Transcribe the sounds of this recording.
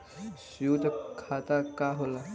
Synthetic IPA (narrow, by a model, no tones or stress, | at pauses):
sjud̪kʰat̪akaɦola